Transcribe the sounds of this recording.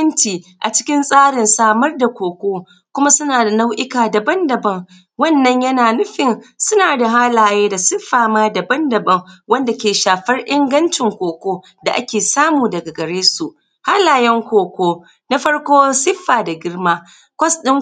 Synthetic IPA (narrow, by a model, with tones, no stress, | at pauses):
ɐ˦nt͡ʃiː˨ʔa˨t͡ʃɪ̥˦kʲɪ˦nsʼaː˦ɽɪ˨nsaː˦mɐ˦rda˨kʷoː˨kʷoː˦ | kʷʊ˦ma˦sʊ˦naː˨da˨na˦wʔɪ˦kaː˨da˨bɐ˦ndɐ˨bɐ˦ŋ | wɐ˦˨nːɐ˦ɲjɐ˦naː˨nʊ˦ɸɪ˨nsʊ˦naː˨da˨ɦa˦laː˨jeː˦da˨sɪ˦ɸːaː˨maː˦da˨bɐ˦ndɐ˨bɐ˦ŋwɐ˦nda˨kʲeː˨ʃaː˨ɸɐ˦rʔɪ˦ŋɡɐ˦nt͡ʃɪ˨ŋkʷoː˨kʷoː˦ | da˨ʔa̰˦kʲeː˨saː˦muː˨dɐ˨ɡa˨ɡɐ˨ɽeː˦su˨ʔ | ha˦laː˨jɛ˦ŋkʷoː˨kʷoː˦ | na˦ɸɐ˦ɽkʷoː˦sɪ˦ɸːaː˨da˨ɡʲɪ˦rmaː˦ | kʷɐ˦sɗɪ˦ŋ